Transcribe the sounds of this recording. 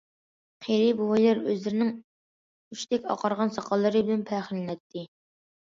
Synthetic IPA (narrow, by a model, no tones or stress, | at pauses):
qʰeɾibuwɑjlˠɑɾøzlɪɾɪnɪŋ | yt͡ʃt̪ʰɛkʲɑ̰qʰɑɾʁɑnsɑqʰɑlˠːɨɾɨbɪlɪnpʰæχəlːɪnɛt̪ʰːɪ